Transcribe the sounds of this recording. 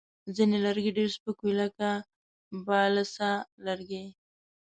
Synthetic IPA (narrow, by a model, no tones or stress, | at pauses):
zinelaɾɡeɖeɾspəkujlaka | bɑlasalaɾɡe